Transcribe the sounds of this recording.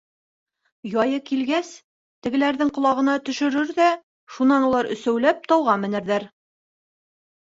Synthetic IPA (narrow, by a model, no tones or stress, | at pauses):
jɑjɤkilɡæs | t̪ɘ̆ɡɘ̆læɾðɘŋqŏlˠɑʁɤ̆nɑt̪ɵ̆ʃɵ̆ɾɵɾðæ | ʃunɑnulˠɑɾɵ̆sæwlæp̚t̪ɑwʁɑmɘ̆næ̆ɾðæɾ